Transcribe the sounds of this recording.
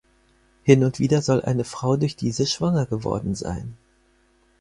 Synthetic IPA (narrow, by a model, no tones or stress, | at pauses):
hɪnʊntv̥iːdɐzɔlʔa̰ɪnəfʁ̥aʊdʊɐçd̥iːzəʃv̥aŋɐɡəvɔ̰ɐdn̩za̰ɪn